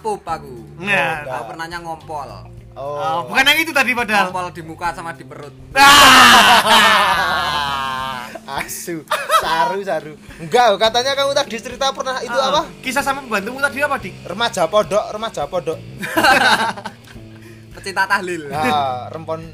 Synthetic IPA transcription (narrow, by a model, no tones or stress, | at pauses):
pupakuaapərnaɲaŋɔmpɔl | obukanakit̪ut̪adipadapɔld̥i̤mukasamad̥i̤bəɾʊt̪̚a | asusaɾusaɾu | ŋɡaʔkat̪aɲakaŋut̪ad̥i̤t͡ʃəɾit̪apərnahit̪uapakis̬asamapəbant̪uŋut̪adiapad̥irəmahʒ̥a̤pɔɖɔʔrəmad̥ʒ̥a̤pɔɖɔʔ | pət͡ʃit̪at̪ahlɪlarəmpɔn